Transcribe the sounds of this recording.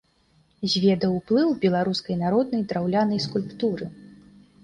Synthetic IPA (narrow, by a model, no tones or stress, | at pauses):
zʲvʲɛd̪ɐwplˠɨwbʲɛlˠaɾuskɐjnaɾɔd̪̚nɐjd̪ɾawlʲanɐjskulʲpt̪uɾɨ